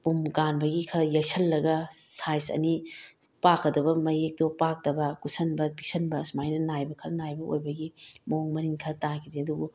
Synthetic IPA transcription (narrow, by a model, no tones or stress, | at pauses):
pumkanbɐɡikʰɐɾɐjɐsɐlːɐɡɐsajsɐ̰ni | pakɐdɐbɐmɐjek̚dopak̚d̥ɐbɐkusɐnbɐpisɐnbɐsmajnɐnajbɐkʰɐɾɐnajbɐo̰jbɐɡimoŋmɐniŋkʰɐɾɐtakʰideɐduɡu